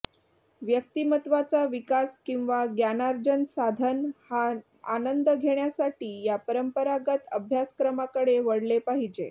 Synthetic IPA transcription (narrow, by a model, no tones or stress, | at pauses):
ʋjək̚t̪imət̪ʋat͡saʋikaskĩw̃ʋaɡjanaɾd͡ʑənsad̪ʱənha | anənd̪əɡʱeɳ̃jasaʈiːjapəɾəmpəɾaɡət̪əbʱjaskɾəmakəɽeʋəɽlepaɦid͡ʑe